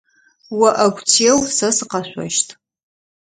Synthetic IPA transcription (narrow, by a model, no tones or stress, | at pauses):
wɐʔɐɡʷtʰiɛwsɐsɨqɑɕʷɔ̰ʃtʰʼ